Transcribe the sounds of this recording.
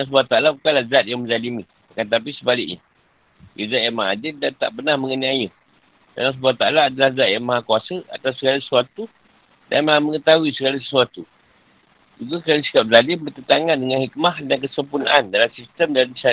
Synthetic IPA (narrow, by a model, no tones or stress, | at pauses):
aãs̬buat̪aalabukanlahzat̪̚jaŋmə̃zalimi | akant̪̬ap̬isəbalɪk̚ɲa̰ | jazat̪jamaa̰dɪldant̪a̰ʔpənahməŋəniajə | da̰nlas̬buat̪alaːdalahzat̪̚jaŋmaɦakuasəa̰t̪awsəɡalasəsuat̪u | da̰nmalahməŋət̪aɦuisəɡalas̬ə̥suat̪u | d͡ʒuɡakɾanəsi̥kap̚zalɪmbət̪ət̪aŋandəŋanhik̚maɦdankəsəmpuna̰ʔandalamsist̪əmdanisa